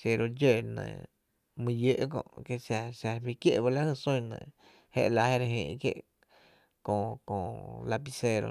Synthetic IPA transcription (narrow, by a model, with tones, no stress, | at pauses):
se˧ɾo˧d͡ʒe˦˨nə̰̃˧˨ | mĩ˧je˦ʔkõ̰˧˨ʔke˦˧sa˧ʃa˧bi˧kje˦˨ʔba˧la˦hɨ˧˨sũ˦˧nə̰̃˧˨ | hḛ˦ʔla˧˨he˦ɾe˧ɦḭ̃ː˧˨ʔkjḛ˦ʔ | kõ˧kõ˧˨la˧pi˧se˧ɾo̰˧